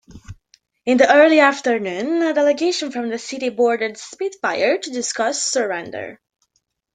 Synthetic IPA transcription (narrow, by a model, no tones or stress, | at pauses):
ɨ̃nðiʔɜ˞lˠiæftə˞nʉ̃nədɛlˠɨɡeɪʃə̃nfɹʌ̃mðɨsɪɾibɔɹdədspidfaɪə˞tɨdɪskʌssə˞ɛ̃ndə̰˞